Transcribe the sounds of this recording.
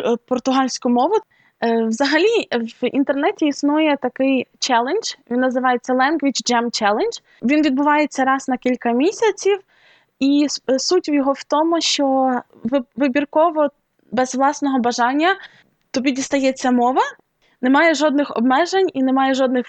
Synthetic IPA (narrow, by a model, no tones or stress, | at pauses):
pɔrt̪ʊɦɑlʲsʲkʊmɔʋʊ | wzɐɦɐlʲiʋḭnt̪ernɛtʲiisnujɛt̪ɐkɪjt͡ʃɛlˠend͡ʒ̥ʋʲinːɐzɪʋɑjet͡sʲːɐlˠɛnɡʋʲit͡ʃd͡ʒɛmt͡ʃɛlˠend͡ʒ | ʋʲinʋʲid̪̚bʊʋɑjet͡sʲːɐɾɑz̥nɐkʲilʲkɐmʲisʲɐt͡sʲiw | isutʲiwjɔɦɔwt̪ɔmʊʃt͡ʃɔ | ʋʋɪbʲirkɔʋɔ | bɛzʋlˠɑsnɔɦɔbɐʒɑnʲːɐ | t̪ɔbʲidʲist̪ɐjɛt͡sʲːɐmɔʋɐ | nemɑjɛʒɔd̪̚nɪxɔ̰bmɛʒenʲinemɑjɛʒɔd̪nɪx